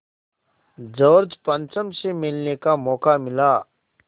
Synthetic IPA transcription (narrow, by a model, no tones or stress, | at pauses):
d͡ʒɔːɾd͡ʒpə̃nt͡ʃəmsemɪlnekamɔːkamɪlaː